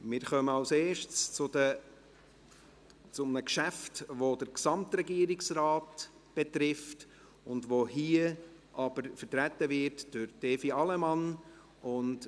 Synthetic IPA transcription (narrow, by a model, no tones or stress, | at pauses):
mɪɾχœməɑwseːʃt͡st͡sʊdə | t͡sʊmənəkʃæftʋodəɾksɑmtɾɛɡiəɾɪksrɑːt | b̥etɾɪft | ʊndʋohiə | ʔɑb̥əɾfəɾtɾætːəvɪɾtd̥ʊɾd̥ɛːfiɑlɛmɑn | ʊnt